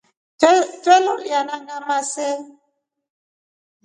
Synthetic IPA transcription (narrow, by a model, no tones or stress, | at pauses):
tɛloljanaŋamasɛ